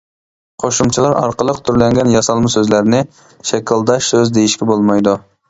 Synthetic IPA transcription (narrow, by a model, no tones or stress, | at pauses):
qʰoʃumt͡ʃʰilˠɑɾɑ̰ɾqəlˠəqt̪ʰyɾlɛŋɡʲɛnjɑsɑlˠmɨsøzlæɾnɪ | ʃɛkʲɪlˠd̪ɑʃsøzd̪ejiʃkʲɛbolˠmɑjd̪u